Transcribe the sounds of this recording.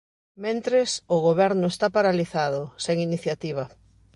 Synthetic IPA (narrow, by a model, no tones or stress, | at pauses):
mẽnt̪ɾesʊɣoβɛɾnʊest̪apaɾaliθaðʊseŋiniθjat̪iβ̞ɐ